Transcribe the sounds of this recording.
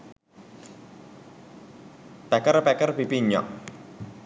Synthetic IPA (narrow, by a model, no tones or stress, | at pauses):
pɛkərpɛkərpipiɲɔ̰ʔ